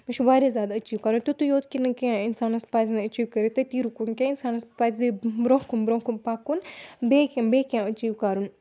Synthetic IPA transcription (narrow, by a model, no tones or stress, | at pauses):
miʃʰʋaːɾezʲjaːd̪ɐt͡ʃiːʋkaːɾunt̪ut̪ujoːt̪kinkãɪnsaːnɐspaːzneɐt͡ʃiːʋkɐɾet̪ɐt̪iːɾukunkãɪnsaːnɐspaːzebɾõːkunbɾõːkunpaːkunbekãbeːkãɐt͡ʃiːʋkaːɾun